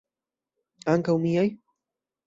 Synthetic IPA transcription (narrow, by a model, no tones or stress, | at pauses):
aŋkawmijaj